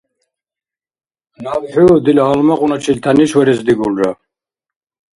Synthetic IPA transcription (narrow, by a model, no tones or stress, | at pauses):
navħud̪ilaːlmaqʼunat͡ʃʰilt̪ʰaniʃwɛɾɛzd̪iɡulɾa̰